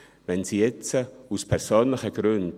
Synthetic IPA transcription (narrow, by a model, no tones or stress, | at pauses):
vɛnsiːjɛt͡səuspʰɛɾsoːnlɪχəɡɾʉnd